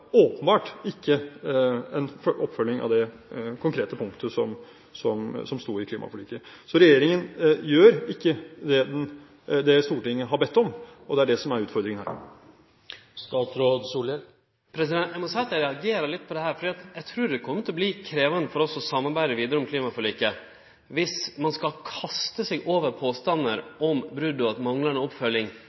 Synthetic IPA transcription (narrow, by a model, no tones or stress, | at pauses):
oːpənbɑːʈɪkʰːə | ɛnfʔɔpːfœlːɪŋɑ̰ʋd̪ɛ | kʰʊŋkʰɾeːt̪əpʰʊŋkt̪ʰəsɔm | sɔmsɔmst̪oːɾɪkʰliːmʔɑ̰fɔliːkːəsɔɾɛjeːɾɪŋənjøːɾɪkːəd̪ɛd̪ɛn | d̪ɛst̪uːʈɪŋːəɦɑɾbɛt̪ːɔmɔd̪ɛæɖɛsɔmæɾʉːt̪fɔɾd̪ɾɪŋənhæ̰ːɾ | st̪ɑːt̪ɾoːd̪suːlə | pʰɾɛsɪd̪ɛnɛmɔnsɛt̪æɾɛɑɡeːɾɑɾlɪt̪ːpʰɔd̪ɛhæːɾfɔɖiːɑt̪jæɪt̪ʰɾʉːɖɛkʰɔmːət̪ʰɔbliːkʰɾeːʋənəfɔɾɔsɔsɑmːɑɾbæɪd̪əʋiːd̪əɾəɔmkʰliːmɑfɔɾɭiːkə | ʋɪsmɑnskɑlkʰɑst̪əsɛɡoːʋəɾpʰoːst̪ɑnːəɾʔɔmbɾʉd̪ʊɑt̪mɑŋlənəɔpfœlːɪŋ